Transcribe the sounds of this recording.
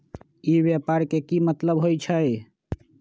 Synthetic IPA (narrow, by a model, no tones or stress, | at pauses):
ibjapaɾkekimət̪ləbɦojt͡ʃʰəj